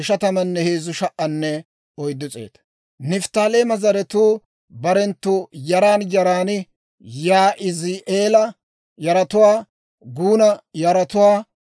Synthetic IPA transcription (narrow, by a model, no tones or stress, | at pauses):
ɪʃɐt̪ɐmɐnːɛheːzʊʃɐʔʔɐnːɛ | ɔjd̪ːʊt͡sʼḛːt̪ɐ̥ | nɪft̪aːleːmɐzɐɾɛt̪uː | bɐɾɛnt̪ːujɐɾaːnjɐɾaːnɪ | jaːʔɪziʔeːlɐ | jɐɾɐt̪ʊwaː | ɡuːnɐjɐɾɐt̪ʊwaː